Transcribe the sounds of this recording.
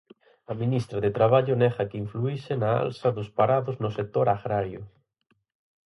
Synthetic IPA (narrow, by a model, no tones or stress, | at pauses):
amĩnist̪ɾaðet̪ɾaβ̞aʎʊneɣakiɱfluisenaa̰lsaðospaɾaðoznʊsek̚t̪oɾaɣɾaɾjoʊ̰